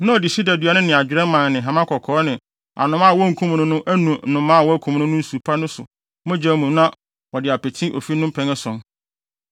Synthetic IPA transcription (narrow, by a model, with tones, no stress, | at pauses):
nã˦ɔ˨dɪ˨si˦dæ˨dɥa˨nʊ̃˦nɪ̃˨a˨d͡ʑᶣɪ˨ɾɛ̃˦mã˨nnɪ̃˨ɦã˨mã˦kʰɔ˨kʰɔː˨˦nɪ̃˨ | a̰˨nʊ̃˦mã˦˨wɔ˦ŋ̩˨kʰũ˦m˨nʊ̃˦nʊ̃˦ʔæ˦nũ˨n̩˦nʊ̃˨˦mã˦˨wɔ˦kʰũ˨m˦nʊ̃˦nʊ̃˦n̩˦su˨pʰa˦nʊ̃˦sʊ̰˨ | mʊ̃˦d͡ʑɛ˦mũ˨nã˦ | wɔ˨dɪ˨a˨pʰɛ˨tʰĩ˦ʔo̰˨fi˦nʊ̃˦m˦pʰɛ̃˦ŋɛ˦sɔ̃˨n